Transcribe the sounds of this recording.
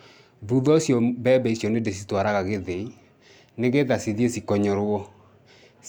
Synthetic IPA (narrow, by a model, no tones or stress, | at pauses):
ðuðɔsjɔbɛbɛisjɔnedesitwaɾaɣaɣeðei | neɣeðasiðiesikɔɲɔɾwɔ